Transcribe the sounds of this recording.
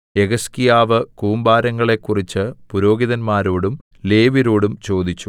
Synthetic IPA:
e̞ɡɐskijaːʋɨkuːmbaːɾɐŋːɐɭe̞kːurit͡ɕːɨpuɾo̞ːɡiðɐnmaːɾoːɽum | le̞ːʋiɾoːɽumt͡ɕo̞ːd̪it͡ɕːu

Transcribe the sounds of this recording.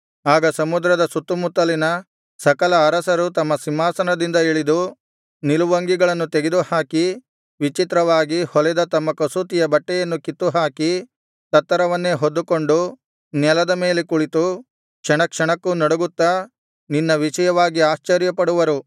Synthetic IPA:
aːɡɐsɐmud̪ɾɐd̪ɐsut̪ːumut̪ːɐlinɐ | sɐkɐlɐːɾɐsɐɾut̪ɐmːɐsimːaːsɐnɐd̪ind̪ɐeɭid̪u | niluʋɐŋɡiɡɐɭɐnːut̪eɡed̪uhaːki | ʋit͡ʃit̪ɾɐʋaːɡihɔlɛd̪ɐt̪ɐmːɐkɐsuːt̪ijɐbɐʈːɛjɐnːukit̪ːuɦaːki | t̪ɐt̪ːɐɾɐʋɐnːeɦod̪ːuko̞ɳɖu | nɛlɐd̪ɐme̞ːlekuɭit̪u | kʂɐɳɐkʂɐɳɐkːunɔɽuɡut̪ːɐ | ninːɐʋiʂɐjɐʋaːɡiaːʃt͡ʃɐɾjɐpɐɽuʋɐɾu

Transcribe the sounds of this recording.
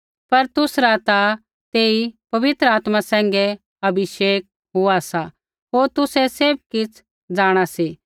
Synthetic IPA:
pɐɾt̪ʊsɾat̪a | t̪eːipɐʋɪt̪ɾəaːt̪masɛ̃ːŋɡɛ | ɐbʱɪʃeːk̚ | ɦʊasa | ɦoːɾt̪ʊsɛseːb̚kɪt͡sʰ | d͡zaːɽ̃asiː

